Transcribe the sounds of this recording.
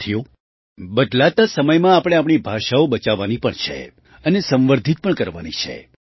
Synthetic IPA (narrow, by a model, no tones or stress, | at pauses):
t̪ʰijo | bəɖ̪lat̪asəməjmãapɽ̃eapɽ̃ibʱaʃaobət͡ʃaʋanipəɳt͡ʃʰḛ | ənesə̃mʋəɾd̪ʱit̪̚pəɳkəɾʋanit͡ʃʰḛ